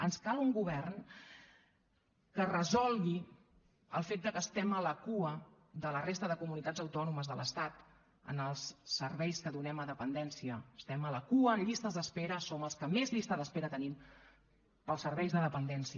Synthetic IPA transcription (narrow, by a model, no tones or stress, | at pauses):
ənskalˠuŋɡuβɛrn | kərəzɔlˠɣi | əlˠfet̪̚d̪əkəːst̪ɛmələkuə | d̪ələrest̪əðəkumunit̪ad͡zəwt̪ɔnuməzðələst̪at̪ | ə̰nəlˠsːəɾβɛjskəðunɛməðəpənd̪ɛnsiəəst̪ɛmələkuəːnʎist̪əzðəspeɾəsoməlˠskəmezʎist̪əðəspeɾət̪ənim | pəlˠsəɾβɛjzðəðəpənd̪ɛnsiə